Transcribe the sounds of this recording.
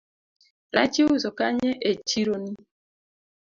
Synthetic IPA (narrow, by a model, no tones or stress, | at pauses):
ɾa̰t͡ʃiuzɔkaɲɛʔet͡ʃiɾoni